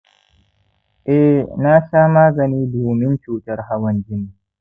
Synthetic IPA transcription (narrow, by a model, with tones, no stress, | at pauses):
ʔɛ˦na˦ʃaː˦maː˦ɡɐ˨niː˦duː˨mɪ˦nt͡ʃuː˨tɐ˦rɦa˦wɐ˦nd͡ʒɪ˦ni˨